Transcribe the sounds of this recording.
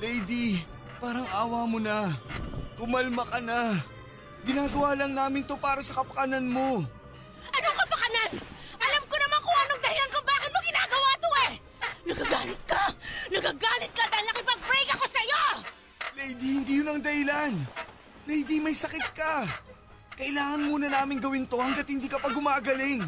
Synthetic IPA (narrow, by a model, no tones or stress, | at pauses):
lɛjd̪i | paːɾɐŋaːwamonɐ | k̪ʊmɐlmɐkɐna | ɡɪnaːɡɐwaːlɐŋnaːmɪnt̪o̞paːɾɐsɐkɐpɐ̥kɐnɐnmo̞ | ʔɐnoŋkɐpɐkɐnanʔɐlamkonɐmankʊŋɐnoŋd̪ɐhɪlankobaːkɪt̪̚moɡɪnaːɡɐwaːt̪oɛ | nɐɡaɡaːlɪt̪̚kanɐɡaɡaːlɪt̪̚kɐd̪aːhɪlnɐŋkɪpɐɡ̚pɾɛɡɐko̞sɐjo | mɛjd̪ihɪnd̪iːjʊnɐŋd̪ɐhɪlan | nɐhd̪imɐjsɐkɪt̪̚kɐ | kɐʔɪlaːŋɐnmuːnɐnaːmɪŋɡɐwɪnt̪o̞hɐŋɡɐt̪̚hɪnd̪iːkɐpɐɡʊmaːɡɐlɪŋ